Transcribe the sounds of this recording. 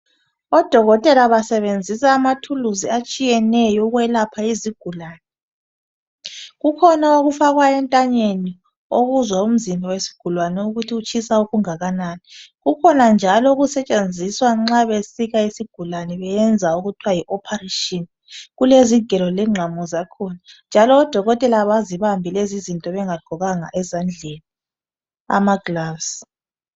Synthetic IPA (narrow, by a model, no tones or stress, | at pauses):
ɔd̥ʱɔɣɔtʼɛlaβasɛβend͡zʱisaːmatʰuluziat͡ʃʼijɛnɛjɔuɣwɛlapʰaiziɡ̥ʱulaːnɛ | ɣukʰɔnaoɣufaɣwajɛntʼaɲeni | oɣuzwaum̩zimbʱawesi̥ɡ̥ʱulwanɛuɣutʰiut͡ʃʼʰisauɣuŋaɣanaːniɣukʰɔnand͡ʒʱalɔuɣusɛt͡ʃʼend͡zʱiswaŋ͡ǁaβesiɣaisiɡ̥ʱulanɛβɛjɛnd͡zʱauɣutʰwajiʔɔpʰareʃʼin | ɣuleziɡ̥ʱɛlɔlɛŋ͡ǁʱamɔzakʰɔnand͡ʒʱalɔːd̥ʱɔɣɔtʼɛlaβaziβambʱilezizintʼɔβɛŋaɡ̥ʱɔɣaŋa̰ʔɛzand͡ɮʱeni | a̰maɡlavs